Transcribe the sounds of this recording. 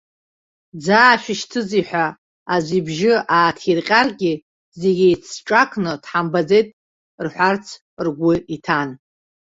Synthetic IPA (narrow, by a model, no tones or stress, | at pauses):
d͡zaːʃᶣɪʃtʰɨziħʷᶣa | azʷibʒɪaːtʰirqʲʼarɡʲi | zeɡʲiit͡sʰʈ͡ʂʼakʰnɨtħambad͡ze̞jtʼ | rħʷart͡sʰ | rɡʷʊitʰan